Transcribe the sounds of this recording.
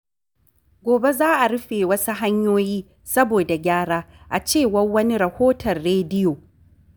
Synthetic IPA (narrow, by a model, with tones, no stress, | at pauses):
ɡʷoː˨be˦zaː˦ʔa˨ɽʊ˦ɸeː˨wɐ˦su˦ɦa˦ɲjoː˦jiː˦ | sɐ˦boː˨da˨ɡʲaː˦ɽaː˦ʔa˨t͡ʃeː˦˨wɐ˦rwɐ˦ni˦ɾɐ˨hoː˦tʰɐ˨rːeː˦dɪ˦joː˨